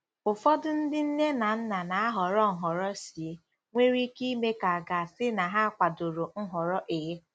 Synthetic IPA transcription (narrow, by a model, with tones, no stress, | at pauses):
ʊ˨fɔ˦dʊ˦n̩˦dɪ˦n̩˦ne˦na˨n̩˦na˨na˨a˦ɦɔ˨ɾɔ˦ŋ̩˨ɦɔ˨ɾɔ˦si˨˦ | ŋʷe˦ɾi˦ki˦me˦ka˨a˨ɡa˨sɪ˦na˨ɦa˦˨kʷa˨do˨ɾo˨ŋ̩˦ɦɔ˨ɾɔ˦ʔe˨e˦